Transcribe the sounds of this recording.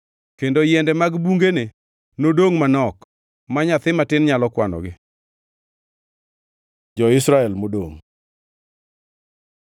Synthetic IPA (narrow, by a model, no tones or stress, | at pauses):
kendojɛndɛmaɡbuŋɡene | nodoŋmanɔk | maɲat̪ɪmatɪnɲalɔkwanɔ̰ɡɪ | d͡ʒɔɪsɾaɛlmodoŋ